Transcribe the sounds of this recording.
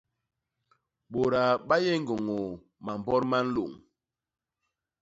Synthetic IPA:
ɓo˨ɾa˨ɓa˦jɛ˦ŋ˨ɡo˨ŋo˨ | ma˨m˨bɔ˦ɾma˦n̩˦lo˨ŋ

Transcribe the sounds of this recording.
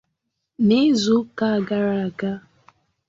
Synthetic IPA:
ne˦zʊ˦ka˦a˨ɡa˦ɾa˨a˨ɡa˦

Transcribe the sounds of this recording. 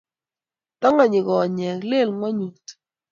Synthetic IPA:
t̪ɔ˦ŋa˨ɲɪ˨kɔ˨ɲɛ˨kle˦˨lŋwɔ˦ɲu˨t

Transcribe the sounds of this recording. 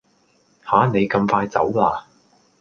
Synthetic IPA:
haː˨˥ne˨˧jkɐ˧mfaː˧jt͡sɐ˨˥wlaː˧

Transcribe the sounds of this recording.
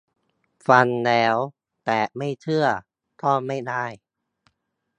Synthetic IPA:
fa˧nlɛː˦˥w | t̪ɛː˨˩ma˥˩jt̪ʰɯ˥˩ɐ | p̪ʰɔː˧˥˩ma˥˩jdaː˥˩j

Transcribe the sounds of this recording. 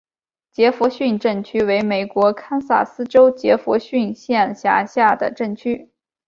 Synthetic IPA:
t͡ɕjɛ˧˥fwɔ˧˥ɕy˥˧nʈ͡ʂɤ˥˩ŋt͡ɕʰy˥we˧˥ɪme˨˩ɪkwɔ˧˥kʰa˥nsa̰˥˩sɹ̩˥ʈ͡ʂo˥ʊt͡ɕjɛ˧˥fwɔ˧˥ɕy˥˧nɕjɛ˥˩nɕja̰˧˥ɕja˥˩d̪ə̰˩ʈ͡ʂɤ˥˩ŋt͡ɕʰy˥

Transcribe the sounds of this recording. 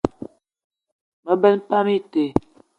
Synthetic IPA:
mə˦bɛ˦n˦pa˦mi˦te˨

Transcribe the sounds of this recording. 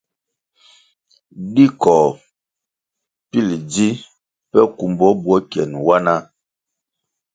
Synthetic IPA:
di˦kɔ˨ | pi˦˨ld͡zi˦ | pɛ˦ku˨mbɔ˨˦bwɔ˦kjɛ˨nwa˦na˦

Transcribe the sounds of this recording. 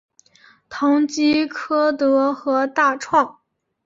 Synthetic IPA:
t̪ʰɑ˧˥ŋt͡ɕi˥kʰɤ˥t̪ɤ˧˥xɤ˧˥t̪a˥˧ʈ͡ʂʰwɑ˥˩ŋ

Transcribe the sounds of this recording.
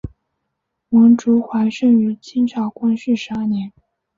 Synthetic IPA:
wɤ˧˥ŋʈ͡ʂu˧˥xwa˧˥ɪʂɤ˥˩ŋy˧˥t͡ɕʰi˥nʈ͡ʂʰɑ˨˥ʊkwa˥nʂɻ̩˥˩ʂɻ̩˧˥a˥˩njɛ˧˥n

